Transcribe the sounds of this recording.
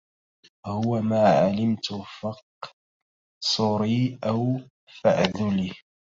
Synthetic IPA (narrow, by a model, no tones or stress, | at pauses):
hʊwamaːʕalɪmt̪ʊfɑqː | sˤʊɾiːʔaw | fa̰ʕðʊliː